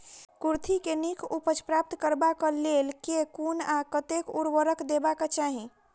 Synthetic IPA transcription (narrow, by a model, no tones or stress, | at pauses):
kuɾt̪ʰikenikʰupət͡ʃpɾap̚t̪kəɾbakəlelkekunakət̪ekuɾʋəɾəkd̪ebakat͡ʃaɦĩ